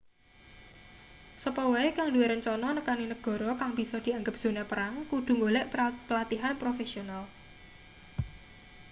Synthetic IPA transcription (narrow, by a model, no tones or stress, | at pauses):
səpɔwaekaŋdueɾənt͡ʃɔnɔnəkaninəɡ̥ɔ̤ɾɔkaŋbi̤sɔd̪̥i̤aŋɡəp̚z̥o̤nɛpəɾaŋkud̪̥ṳŋɡolɛʔpəlat̪iɦanpɾofesional